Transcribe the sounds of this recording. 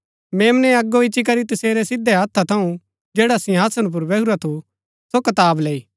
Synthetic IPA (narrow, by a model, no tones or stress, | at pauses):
meːmnɛ̃ɐɡːoit͡ʃːʃik̬ɐɾit̪ɐseːɾɛsɪd̪ːɛɦɐːt̪ʰːat̪ʰɐũ | d͡ʒeːɽasɪ̃ɦaːsənp̬ʊɾʋeɦuɾat̪ʰu | sokɐt̪aːbleːiː